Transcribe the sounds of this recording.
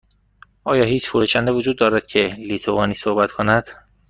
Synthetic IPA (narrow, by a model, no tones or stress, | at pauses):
ʔɒːjɒːhiːt͡ʃfuɾuːʃænd̪evod͡ʒuːd̪ːɒːɾæd̪̥cʰe̞liːt̪ʰovɒːniːsohbæt̪ʰkʰonæd̪̥